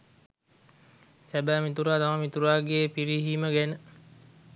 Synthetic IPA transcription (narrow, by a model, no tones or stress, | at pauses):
sɛbamit̪uɾat̪amamit̪uɾaɡepiɾiɦiməɡɛnə